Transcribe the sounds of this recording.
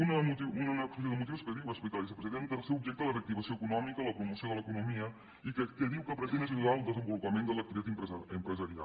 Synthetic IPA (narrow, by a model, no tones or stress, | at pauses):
unəmut̪iunənɔspes̬iðəmut̪iwskəðiwəspit̪alisəpɾəznent̪əlˠsewubʒɛk̚t̪ələfək̚t̪iβəsioəkunɔmikələpɾumusioðələkunumiə | ikəkəðiwkəpɾəzenəs̬iwðaəlˠd̪əzəmbulupəmẽnd̪ələk̚t̪iβit̪at̪mpɾəəmpɾəzəɾia̰l